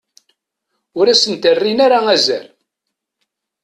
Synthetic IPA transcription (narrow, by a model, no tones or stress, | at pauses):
ʊɾæsənt̪ərːinaɾaæzæ̰ɾ